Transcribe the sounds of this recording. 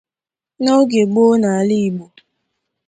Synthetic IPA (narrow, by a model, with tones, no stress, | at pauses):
no˦ɡe˨ɡ͡bo˦na˨li˦i˨ɡ͡bo˨